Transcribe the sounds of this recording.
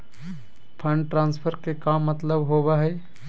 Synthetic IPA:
pʰə̃ɳɖʈɾãːnspʰəɾkekaːmːət̪ləbɦobaɦɛː

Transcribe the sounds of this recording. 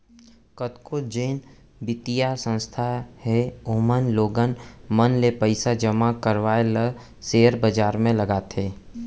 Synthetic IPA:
kət̪kod͡ʒeːn | bɪt̪ijasə̃nst̪ʰahɛomənloːɡənmənlepəɪsad͡ʒəmakəɾʋaːeləɡ | seːəɾbəd͡ʒaːɾmẽləɡaːt̪eː

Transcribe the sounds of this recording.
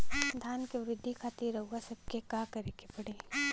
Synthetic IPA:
d̪ʱjaːnkeʋɾɪd̪ʱːikʰaːt̪iɾəuɡasɐb̚kekaːkɐɾeːkepɐɽ̤ẽː

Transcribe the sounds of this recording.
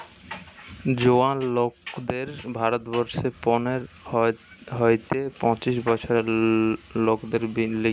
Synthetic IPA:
d͡ʑoanlokd̪eɾbʱaɾot̪bɔɾʃepɔneɾ | ɦojt̪epɔ̃t͡ɕiʃbɔt͡ɕʰoɾe | lokd̪eɾbile

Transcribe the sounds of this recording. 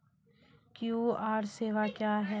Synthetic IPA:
kjuaːɾseːʋakjaːɦɛ

